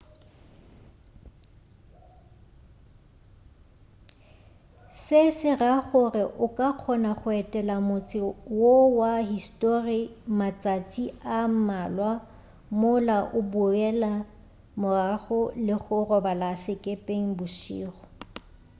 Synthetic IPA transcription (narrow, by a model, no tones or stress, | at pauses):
sɪsɪraχʊrɪʔʊkʼaq͡χʰɔnaχʊɛtʼɛlamʊt͡sʼɪwowaɦistʼorimat͡sʼat͡sʼiam̩malwa | mʊlaʔʊbʊɛla | mʊraχʊlɪχʊrɔbalasɪkʼepʼeŋ̩bʊʃḭːχɔ